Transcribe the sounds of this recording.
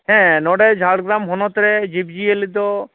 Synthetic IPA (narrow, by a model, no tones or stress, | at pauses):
ɦɛ̃nɔɖɛd͡ʒʱaɽɡɾamɦɔnɔt̪ɾɛd͡ʒibd͡ʒielid̪ɔ